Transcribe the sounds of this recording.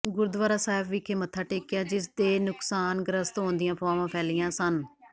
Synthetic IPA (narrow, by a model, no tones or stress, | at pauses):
ɡʊɾd̪ʋaːɾaːsaːɪbʋiːkʰeːmət̪ʰːaːʈeːkjaːd͡ʒɪs̬d̪eːnʊksaːnɡəɾəst̪ɦõːnd̪ɪjãːpʰaːʋãːpʰɛːlɪjãːsən